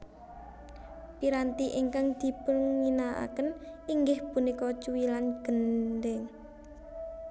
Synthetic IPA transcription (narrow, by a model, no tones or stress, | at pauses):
piɾant̪iʔiŋkaŋd̪̥i̤pəlŋinaa̰kəniŋɡɪhpunikɔt͡ʃuwilanɡ̥ənd̪ɛŋ